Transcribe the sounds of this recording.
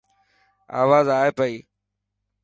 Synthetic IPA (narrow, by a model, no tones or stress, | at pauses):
a̰ːʋaːzaːɦepəiː